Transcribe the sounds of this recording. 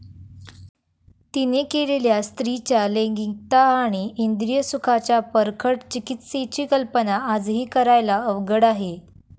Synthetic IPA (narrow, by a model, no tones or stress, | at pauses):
t̪inekeleljast̪ɾit͡ɕjaleŋɡik̚t̪aːɽ̃iʔːnd̪ɾijəsukʰat͡ɕjapəɾkʰəʈt͡ɕikit̪set͡ɕiːkəlpənaad͡zɦiːkəɾajlaəʋɡəɽaɦe